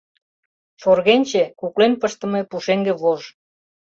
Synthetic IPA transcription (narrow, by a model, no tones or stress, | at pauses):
forɣenʲt͡ɕekuklenpəʃt̪ə̆mĕpuʃeŋɡĕβoʒ